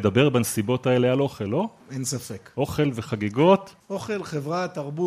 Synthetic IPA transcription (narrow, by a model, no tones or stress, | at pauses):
ed̪abe̞ʁbanesibo̞tae̞lealo̞χelo̞ | ensafekʔo̞χe̞lveχaɡiɡo̞t̪ | oχe̞lχevʁat̪aʁbu